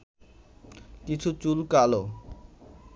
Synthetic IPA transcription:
kit͡ɕʰut͡ɕulkalo

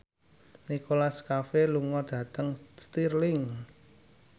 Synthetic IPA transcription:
nikolaskafeluŋɔd̪̥ä̤t̪əŋst̪irlɪŋ

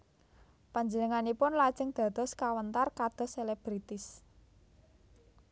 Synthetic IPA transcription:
paɲd͡ʒənəŋanipʊnlḁʒ̥əŋd̪̥a̤d̪̥ɔ̤skawənt̪arkad̪̥ɔ̤seleb̥ɾit̪ɪs

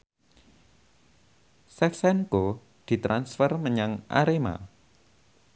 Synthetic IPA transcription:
sɛksɛnko | d̪̥i̤t̪ɾansfərməɲaŋʔa̰ɾema̰

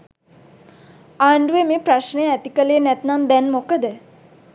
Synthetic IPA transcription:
aːɳɖuʋemeːpɾaʃnəjəæt̪ikəleːnɛt̪namd̪ɛnmokəd̪ə

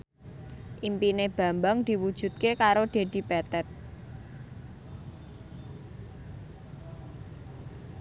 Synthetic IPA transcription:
ʔimpineb̥ä̤mbaŋd̪̥i̤wud̥ʒ̥ṳt̪̚kekaɾod̪̥e̤d̪̥i̤pɛt̪ɛt̪̚

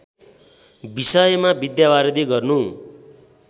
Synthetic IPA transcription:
bisʌjʌmabid̪jabaɾʌd̪iɡʌrnu

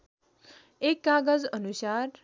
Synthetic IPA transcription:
ekːaɡəd͡zənusaɾ

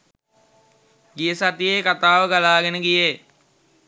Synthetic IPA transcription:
ɡijəsat̪ijeːkat̪aːʋəɡalaːɡenəɡije

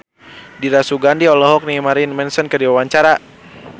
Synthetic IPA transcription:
diɾasuɡandiɔlɔɦɔk̚nimaɾinmɛnsənkədiwawaɲt͡ʃaɾa

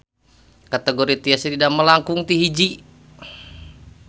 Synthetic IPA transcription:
kat̪eɡoɾit̪iasit̪idaməlaŋkuŋt̪iɦid͡ʒi

